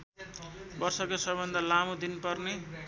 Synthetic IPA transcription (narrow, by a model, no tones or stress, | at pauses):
bʌrsʌkosʌbʌnd̪ʱʌlamod̪inpʌrne